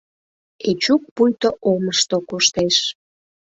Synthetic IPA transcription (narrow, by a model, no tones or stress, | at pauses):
et͡ɕuk̚pujt̪oʔoməʃt̪okuʃt̪eʃ